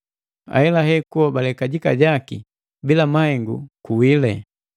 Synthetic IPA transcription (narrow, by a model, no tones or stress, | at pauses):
a̰ɛlaɦɛkuwabalɛkaɟika̰ɟaki | bilamahɛŋɡṵkuwilɛ